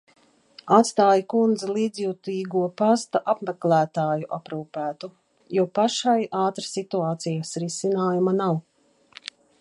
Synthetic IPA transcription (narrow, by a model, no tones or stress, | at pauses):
at̪st̪aːjkund̪zaliːd̪zjuːt̪iːɡuɔpast̪aʔapmɛklæːt̪aːjuʔapɾuːpæːt̪u | juɔpaʃajaːt̪ɾasit̪uaːt̪sijasɾisinaːjumanaw